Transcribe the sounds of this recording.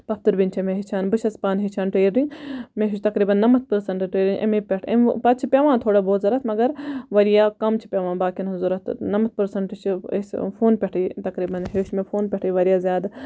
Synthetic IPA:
pɐfʰt̪ɨɾbint͡ʃʰɐmẽɦit͡ʃʰaːnbɨt͡ʃʰɐspaːnɦit͡ʃʰaːnʈeːɾɾĩɲmẽɦit͡ʃʰt̪ɐkɾiːbɐnːɐmɐt̪̚ʰpɨɾsɐɳʈʈeːɾiɲʔḛmepʲɐʈʰḛpɐt̪̚t͡ʃʰipʲjaːʋãːt̪ʰoːɽaboːt̪zɐɾɐt̪mɐɡɐɾʋɐɾijaːkɐmt͡ʃʰi̥pʲaːʋãːbaːkinɦzuɾɐt̪ʰnɐmɐt̪̚pɨɾsɐɳʈt͡ʃʰisfʰoːnpʲeʈʰiːt̪ɐkɾiːbɐnɦeːʃmẽfʰoːnpʲeʈʰiʋɐɾijaːzʲjaːd̪

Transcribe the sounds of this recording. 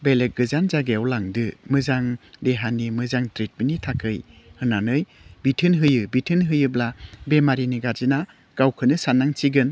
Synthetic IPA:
belet̚ɡɯzanzaɡeawlaŋdɯmɯzaŋdeɦanimɯzaŋtɾit̚binitʰakʰɯjhɯnanɯj | bitʰɯnɦɯjɯbitʰɯnɦɯjɯblabemaɾiniɡazina | ɡ̥awkʰɯnɯsanːaŋt͡ʃiɡɯn

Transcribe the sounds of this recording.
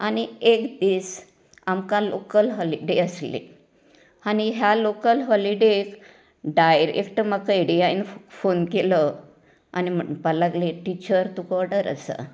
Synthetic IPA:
aniekd̪iːs | amkãlokəlɦɔliɖeəslḛ | añiɦjalokəlɦɔliɖek | ɖajɾḛkʈ̪əmakaiɽijainfonkelə | a̰nim̤əpəlaɡleʈit͡ɕəɾt̪ukɔɾɖəɾə̰sə̰

